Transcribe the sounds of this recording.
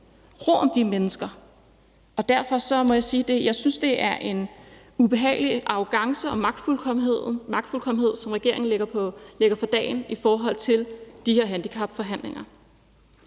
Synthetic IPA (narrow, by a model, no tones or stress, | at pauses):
ʁo̰ɒ̽md̥imenəsɡ̥ɐ | ɒ̽d̥æɐfɒ̽sɒ̽mɒ̽jɑ̈ɪsiːd̥e̝jɑ̈ɪsynsd̥e̝ʔæɐʔe̝n | ub̥e̝ɦɛ̰ːɪliʔɑ̈ʊɡ̥ɑ̈ŋsəɒ̽mɑ̈ɡ̥̚d̥fulkʰeð̰ˠmɑ̈ɡ̥d̥fulkʰɒ̽mn̩he̝ð̞̰ˠsɒ̽mʁaɡ̥e̝ɐ̰e̝ŋn̩leɡ̥ɐle̝ɡ̥ɐfɑd̥ɛ̰ːnifɒːɦɒ̽l̰t͡sʰe̝ld̥ihe̝ɐɦænd̥ikʰɑ̈b̥fɒ̽ɦæn̰leŋɐ